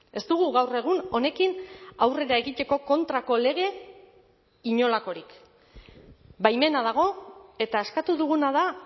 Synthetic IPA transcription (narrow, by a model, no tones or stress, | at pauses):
e̞st̪uɣuɣawre̞ɣ̞uno̞ne̞kinawre̞ɾae̞ɣit̪e̞ko̞ko̞nt̪ɾako̞le̞ɣ̞e̞ | iɲo̞lako̞ɾik | bajme̞nað̞aɣ̞o̞e̞t̪aeskat̪uðuɣunaða